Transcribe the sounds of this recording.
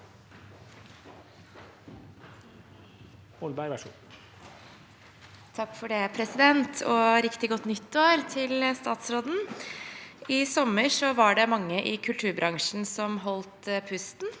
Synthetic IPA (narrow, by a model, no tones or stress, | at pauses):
ʊlbæʂṵː | t̪ʰɑkːfɔɖepʰɾɛsɪd̪ɛnt̪ʰɔːɾɪkt̪ɪɡɔt̪ːnʏt̪ːoːɾt̪ʰɪlst̪ɑːt̪sɾoːd̪n̩ | ɪsɔmːəʂɔʋɑɖɛmɑŋːəʔɪkʰʉlt̪ʰʉːɾbɾʔɑŋʂn̩sɔmɦɔlt̪pʰʉst̪n